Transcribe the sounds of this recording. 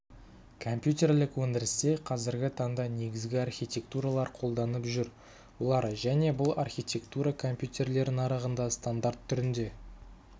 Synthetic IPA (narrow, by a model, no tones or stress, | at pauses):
kʰo̞mpjut̪ʲe̞rlɪkwɵnd̪ɪɾɪst̪e̞qʰɑzɪɾɡʲɪt̪ʰɑɴd̪ɑne̞ɡʲɪzɡʲɪarxʲijt̪ʲe̞k̚t̪uɾalˠɑɾqʰo̞lˠd̪ɑnəpʒʏɾ | wo̞lˠɑɾʒæne̞bʊlˠarxʲijt̪ʲe̞kt̪uɾɑkʰo̞mpjut̪ʲe̞rle̞ɾɪnɑɾɑʁənd̪ɑst̪and̪art̪ʰːʏɾɪnd̪e̞